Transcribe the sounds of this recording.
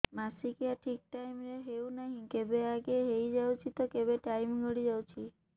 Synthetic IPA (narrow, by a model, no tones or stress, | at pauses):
masikiaʈʰik̚ʈaimeɦeũnəɦĩkebeaɡeɦejd͡ʒaut͡ʃʰit̪okebeʈaimɡəɽid͡ʒawt͡ʃʰi